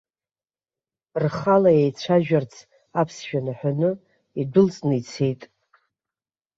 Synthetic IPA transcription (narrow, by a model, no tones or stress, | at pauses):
rχalajejt͡ɕʷʰaʒᶣart͡sʰ | apʰsʃᶣanaħʷᶣanɨ | idʊlt͡sʼnɨt͡sʰe̞jtʼ